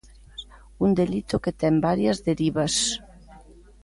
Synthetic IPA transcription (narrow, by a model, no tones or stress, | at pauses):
und̪elit̪ʊket̪ɛmbaɾjɐzðeɾiβɐs